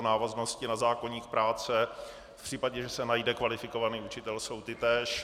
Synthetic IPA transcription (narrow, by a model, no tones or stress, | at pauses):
naːvaznoscɪnazaːko̞ɲiːxpɾaːt͡sɛ | fpr̥iːpaɟɛʒɛsɛnajdɛkvalɪfɪko̞vaniːut͡ʃɪt̪ɛlso̞wt̪ɪt̪ɛːʃ